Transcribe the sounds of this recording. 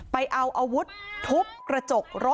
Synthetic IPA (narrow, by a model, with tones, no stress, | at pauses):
pa˧jʔa˧wʔa˧wu˦˥t̪ʰːu˦˥p̚kɾa˧t͡ɕo˨˩k̚ɾo˦˥